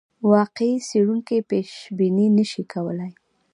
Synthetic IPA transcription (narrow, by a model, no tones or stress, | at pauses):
wɑqeiseɽuŋkepeʃbininəʃikʰawəlaj